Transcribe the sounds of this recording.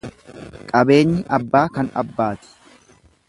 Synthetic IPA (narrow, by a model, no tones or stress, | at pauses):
kʼɐbe̞ːɲːɪʔɐbːaːkɐnɐ̰bːaːt̪ɪ̥